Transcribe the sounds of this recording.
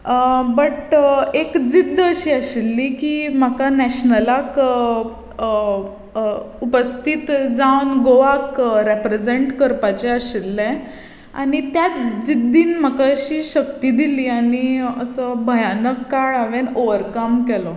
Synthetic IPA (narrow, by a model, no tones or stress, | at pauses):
bəʈekd͡zid̪ʱːəɕiːəɕilːiːkiːmakanɛɕnəlak | upəst̪ʰit̪d͡zawnɡoʋakɾepɾed͡zeɳʈkəɾpat͡ɕeəɕilːɛ̃ | a̰ɽ̃it̪jat̪d͡zid̪ːiːnm̤akaɕiːɕəkt̪iːd̪iliːaɽ̃iəsəbʱəjanəkːaɭaʋenoʋəɾkamkɛlɔ